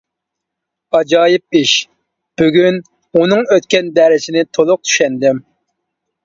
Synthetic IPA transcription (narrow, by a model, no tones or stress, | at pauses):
ɑd͡ʒɑːjɪp̚iʃ | b̥yɡʲyn | unɨŋøt̪kʲɛnd̪ɛɾɪzɪnɪt̪ʰolˠʊq̚t̪ʰy̥ʃɛnd̪ɪm